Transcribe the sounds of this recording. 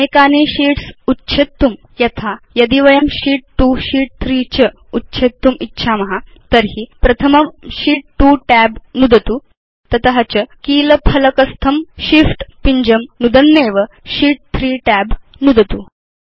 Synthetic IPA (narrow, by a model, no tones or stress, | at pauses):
ekaniɕiːʈsutːɕʰet̪ːum | jɐt̪ʰajɐd̪iʋɐjəmɕiːʈ̚ʈuːɕiːʈ̚t̪ʰɾiːt͡ɕə | utːɕʰet̪ːumitːɕʰamɐɦat̪əɾɦipɾɐt̪ʰəmɐmɕiːʈ̚ʈuːʈæbnud̪ʱət̪uː | t̪ɐt̪ɐɦɐt͡ɕəkiːləpʰɐlɐkəst̪ʰɐmɕifʈpiɲd͡ʑəmnud̪ənːeːʋə | ɕiːʈ̚t̪ʰɾiːʈæb | nud̪ʱət̪u